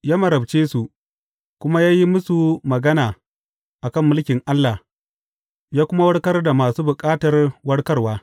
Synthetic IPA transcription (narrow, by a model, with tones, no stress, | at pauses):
jaː˦mɐ˨ɾɐ˨bt͡ʃeː˦su˨ | kʷʊ˦ma˦jaː˦ji˦mʊ˦su˨mɐ˨ɡɐ˦naː˨ | ʔa˨kɐ˦˨mːʊ˦lkʲɪ˨ŋʔa˦lːa˨ | jaː˦kʷʊ˦ma˦wɐ˦ɽkɐ˦rda˨maː˨suː˦bʊ˨kʼaː˦tɐ˨rwɐ˦ɽkɐ˦rwaː˦